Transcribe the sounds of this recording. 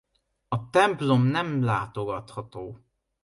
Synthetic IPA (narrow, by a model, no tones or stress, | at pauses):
ɒt̪ɛmplo̞mnɛmlaːt̪o̞ɡɒt̪hɒt̪oː